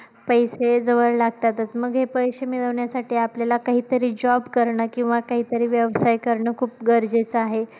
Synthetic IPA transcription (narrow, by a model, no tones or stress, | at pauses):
pəjsed͡zəʋəɭlaɡ̚t̪at̪ət͡sməɡɦepəjɕemiɭəʋɳjasaʈʰiːapljalakaɦiːt̪əɾiːd͡ʑɔbkəɾɳəkĩw̃ʋakaɦiːt̪əɾiːʋjəʋsajkəɾɳəkʰuːp̚ɡəɾd͡zet͡səaɦe